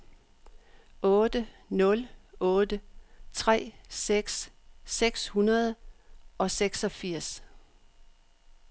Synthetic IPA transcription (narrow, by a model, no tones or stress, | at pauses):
ɔ̽ːd̥ə | nɔ̽lɔːd̥ət͡sʰʁɛ̰ːseɡ̥sːeɡ̥shunɐð̞ˠɒ̽seɡ̥sɒ̽fiɐ̰s